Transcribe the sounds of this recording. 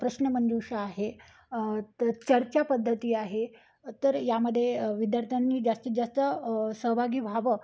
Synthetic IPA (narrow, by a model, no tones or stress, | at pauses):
pɾəɕnəmənd̪uɕaːɦe | t̪ət͡ɕəɾt͡ɕapəd̪ʱːət̪iːaɦe | t̪əɾjaməd̪ʱːjeʋid̪jaɾt̪ʰjanːiːd͡ʑast̪id͡zast̪əsəɦbʱaɡiːbʱaʋə